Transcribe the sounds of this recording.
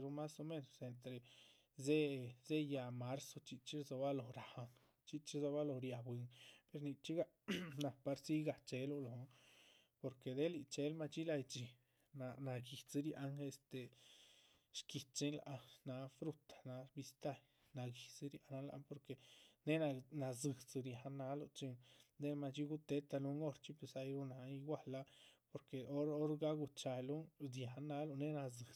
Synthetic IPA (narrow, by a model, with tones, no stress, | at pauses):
ɾo˧ma˦so˧me˦˧no˨se˨nt̪ɾe˨ | ze˦ze˦ja˨˧ma˨˦ɾso˧t͡ʃi˧t͡ʃi˦zo˧ba˦lo˨ɾa˨ha˧ŋ | t͡ʃi˧t͡ʃi˦zo˧ba˦lo˧˨ɾja˧˨bwi˧ŋpe˧ɾni˧t͡ʃi˦ɡa˧ | na˧pa˧ɾsi˦ɡa˨t͡ʃe˧lo˧lo˨˧˦ | po˧ɾke˨d̪e˦li˧t͡ʃe˧˦lma˧t͡ʃi˦la˧jt͡ʃi˧ | na˧na˧ɡi˨t͡si˦ɾja˧ŋe˧st̪e˨ | ʃki˨t̪t͡ʃi˦nla̰˧ʔna˧fɾu˦t̪ḁ˨na˧˦bi˧st̪a˦j | na˧ɡi˨t͡sɨ˧ɾja˧na˧la̰˧po˧ɾke˧ne˦na˧na˧zɨ˨t͡sɨ˧ɾja˨˦na˧˦lo˧t͡ʃi˧ŋd̪e˦ma˧t͡ʃi˦ɡu˦t̪e˧˦t̪a˧lu˧ŋo˦˧ɾt͡ʃi˦pe˧sa˧jɾu˦na˧i˧ɡwa˦˧la˦po˧ɾke˨o˦ɾo˦ɾɡa˦ɡu˧t͡ʃa˧jlu˦dja˨˦na˧˦lo˧ne˦na˧zɨ˨